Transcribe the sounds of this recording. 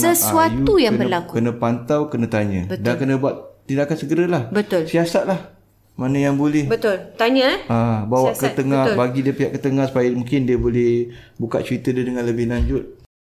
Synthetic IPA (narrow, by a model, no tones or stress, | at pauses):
səsuat̪ujaŋbərlakukənə̃pant̪awkənə̃t̪aɲə̰̃bəd̪ankənə̃buat̪t̪ːidaʔakansəɡəɾəlahbət̪ʊlsiasat̪̚lah | manə̃jaŋbolɛhbət̪ʊlt̪aɲəʔabawaʔkət̪əŋahbaɡidiəpiɦaʔkət̪əŋahsu̥pajamũŋkɪndiəbolɛhbuka̰t̪̚t͡ʃəɾit̪ədiədəŋanləbɪhlaɲd͡ʒʊt̪̚